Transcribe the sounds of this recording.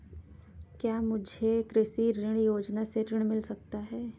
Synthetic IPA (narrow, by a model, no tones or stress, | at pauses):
kjaːmʊd͡ʒʱekɾɪʃiɾɪɽ̃joːd͡ʒnaseɾɪɽ̃mɪlsɐk̚t̪aɦɛː